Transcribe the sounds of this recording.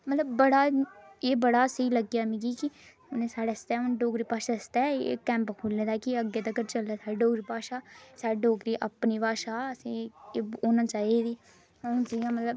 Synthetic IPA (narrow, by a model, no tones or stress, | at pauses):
mət̪ləbːəɽaːeːbəɽaːsəiːləɡjaːmĩɡikɪ | ʊnẽsaːɽest̪ɛːʊnɖoːkɾiːpaːʃaːəst̪ɛ̰kɛ̃ːmpkʰuːlːeːd̪aːkiəɡːeːt̪ətkəɾt͡ʃəlːaːsaːɽeɖoːkɾiːpaːʃaːsaːɽeɖoːkɾiːʔəpniːbaːʃaːəsĩːoːnãːt͡ʃaːid̪iː | ʊnsəiãːmət̪ləb